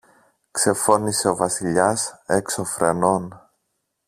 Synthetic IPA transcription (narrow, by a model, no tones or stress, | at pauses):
kse̞fo̞nise̞o̞vɐsiʎɐse̞kso̞fɾe̞no̞n